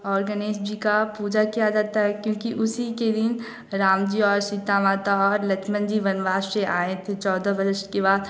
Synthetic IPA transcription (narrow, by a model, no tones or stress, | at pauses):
ɔːɾɡəneːsd͡ʒikapuːd͡ʒakijad͡ʒaːt̪aɦɛkjõːkiʔʊsiked̪ɪn | ɾaːmd͡ʒiɔːɾsid̪aːmaːt̪aɔːɾlɐt͡ʃʰmə̃nd͡ʒiʋɐnʋaːʃseʔaːẽt̪ʰet͡ʃɔːd̪ʱəbɐɾɪʃʈkeβaːd̪